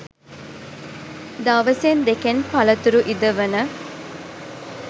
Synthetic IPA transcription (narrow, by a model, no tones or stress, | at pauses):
d̪aʋəsend̪ekenpɐlət̪uɾuʔid̪əʋənə